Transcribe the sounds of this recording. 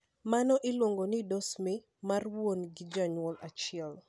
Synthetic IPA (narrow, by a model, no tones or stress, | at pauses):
manɔʔɪlwoŋɡonɪdɔsmi | marwwonɡɪd͡ʒaɲɔlat͡ʃɪɛl